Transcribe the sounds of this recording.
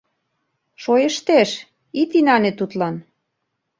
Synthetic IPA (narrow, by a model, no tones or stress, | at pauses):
ʃojə̆ʃt̪eʃ | it̪inɑnet̪ut̪lɑn